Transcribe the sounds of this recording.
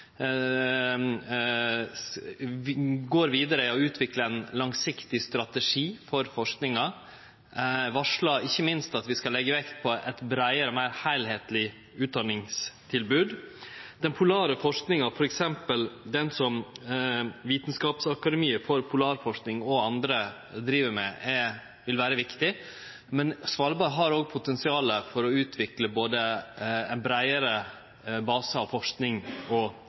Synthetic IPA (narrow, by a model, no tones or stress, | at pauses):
ɡoːɾʋiːd̪əɾəɔʉːt̪ʰʋɪkləɛnlɑŋsɪkt̪ɪst̪ɾɑt̪əʂiːfɔɾfɔʂknɪŋɑ | ʋɑʂɭɑɪçːəmɪnst̪ɑt̪ʋɪskɑlːɛɡːəʋɛkt̪̚pʰɔʔɛt̪bɾæɪəɾəmæɪɾhæɪlheːt̪lɪ | ʉːt̪̚d̪ɑnɪŋst̪ʰɪlbʉːd̪d̪̥ɛnpʰʊlɑːɾəfɔʂknɪŋɑfɔɾɛksɛmpəld̪ɛnsɔm | ʋiːt̪nskɑːpsɑkɑd̪ɛmiːəɾfɔɾpʰʊlɑːɾfɔʂknɪŋɔɑnd̪ɾə | d̪ɾiːʋəɾmɛ̰ɛ | ʋɪlʋæːɾəʋɪkt̪ɪ | mɛnsʋɑɾbɑɾɦɑɾoːɡ̚pʰʊt̪ɛnsɪɑːləfɔɾɔʉːt̪ʰʋɪkləboːd̪əɛɪnbɾæɪəɾə | bɑːsəɑʋfɔʂknɪŋɔ